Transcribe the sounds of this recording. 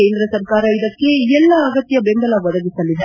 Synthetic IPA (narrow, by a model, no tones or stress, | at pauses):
endrɐsɐrkaːɾɐɪðɐkːeɛlːaːɐɣɐt̪ːɪjɐbɛnb̪ɐlaːʋɐðɐʋɯsɐlːi